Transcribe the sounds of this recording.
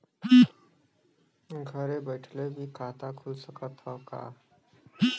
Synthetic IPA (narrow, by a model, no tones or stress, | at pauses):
ɡʱəɾebəʈʰlebʱiːkʰat̪akʰulsəkət̪ɔka̰